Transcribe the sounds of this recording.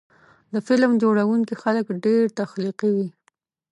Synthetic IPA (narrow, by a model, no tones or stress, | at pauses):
d̪əfɪlmd͡ʒoɽawuŋkixaləkɖeɾt̪axliqiwi